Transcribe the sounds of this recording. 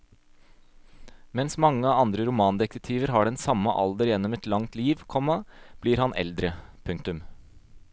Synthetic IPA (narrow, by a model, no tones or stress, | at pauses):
mɛnsmɑŋːəɑɑnd̪ɾəɾʊmɑːnd̪ɛk̪ət̪ʰiːʋəɾɦɑɖɛnsɑmːəʔɑ̰ld̪əɾjɛnːɔmɛt̪lɑŋt̪liːʋkʰɔmːɑb̥liːɾhɑnʔɛ̰ld̪ɾəpʰʉŋkt̪ʉm